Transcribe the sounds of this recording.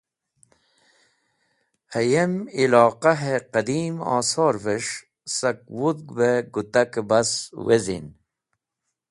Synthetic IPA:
hɐjemilɑːqaɦeqɐd̪iːmɑ̰ːsoːɾveʂ | sɐk̚wud̪ɡbeɡut̪akebaswezḭn

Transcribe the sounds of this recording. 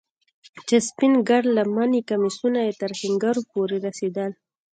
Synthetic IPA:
t͡ʃespɪnɡaɽlamanikamisunajet̪əɾhɪŋɡaɾopoɾeɾased̪əl

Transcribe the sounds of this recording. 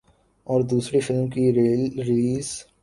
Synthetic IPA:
ɔːɾd̪uːsɾefɪlmkiɾɾɪliːz

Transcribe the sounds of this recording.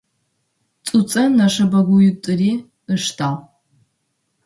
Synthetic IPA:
t͡sʼut͡sʼɐnɐʂɐbɐɡʷʊjɪtʼɨriː | ɨʂtʰaː

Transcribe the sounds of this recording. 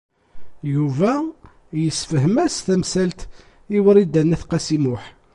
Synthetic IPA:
juvæ | jəsːfəɦmæsθæmsælt̪ | iwəɾid̪ænːæθqæsimʊħ

